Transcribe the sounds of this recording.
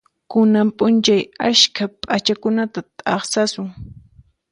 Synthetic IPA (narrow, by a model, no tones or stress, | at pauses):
kʊnampʼʊnt͡ʃajaʃkapʼat͡ʃakʊnat̪at̪ʼɑχsasʊŋ